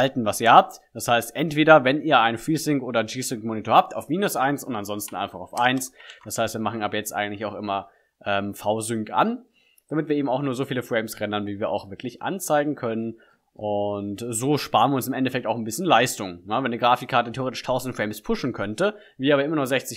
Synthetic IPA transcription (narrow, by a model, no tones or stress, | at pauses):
altn̩vasiːɐhaːp̚t | d̥ashaɪstʔɛntv̥eːɾɐvɛniːɐaɪnfʁiːsɪŋkʔoːdɐnd͡ʒiːsʏŋkmoːnitʰoɐhaːp̚taʊfmiːnʊsʔaɪnsʊntanzɔnstn̩aɪnfaχaʊfʔaɪnsd̥ashaɪstv̥iːɐmaχn̩aːbɐjɛt͡stʔa̰ɪɡŋ̩tlɪçaʊxʔɪmɐ | ʔɛːmfaʊzʏŋka̰n | d̥amɪtviːɐeːbm̩aʊxnuːɐzoːfiːləfʁ̥ɛɪmsʁɛndɐnviːviːɐʔa̰ʊxv̥ɪɐkʰlɪçʔa̰nt͡saɪɡŋ̩kʰœnən | ʔʊntzoːʃpaːʁənviɐʊnsɪmʔɛndɛfɛk̚taʊxnbɪsçənlaɪstʊŋjavɛndəɡʁaːfɪkʰːaːɐtətʰeːoʁeːtɪ̥ʃtʰaʊzn̩dfʁ̥ɛɪmspʰʊʃn̩kʰœntə | viːaːbɐʔɪmɐnɔχz̥ɛçt͡sɪç